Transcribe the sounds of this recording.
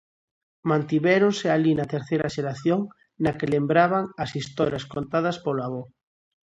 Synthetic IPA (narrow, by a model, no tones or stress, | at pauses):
mãnt̪iβeɾonsealinat̪eɾθejɾaʃeɾaθjoŋ | nakelembɾaβaŋasist̪ɔɾjaskont̪að̞ɐspoloaβo